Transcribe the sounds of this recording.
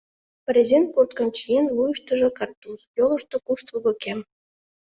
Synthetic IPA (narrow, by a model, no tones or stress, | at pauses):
pəɾʲezenkurt̪kə̆mt͡ɕijenvujəʃt̪ə̆ʒɤ̆kɑrt̪usjolɤ̆ʃt̪ŏkuʃt̪uβə̆kem